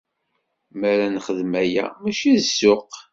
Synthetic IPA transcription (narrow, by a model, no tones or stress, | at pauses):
mæɾænχəðmæjæ̰mæʃiðsːʊq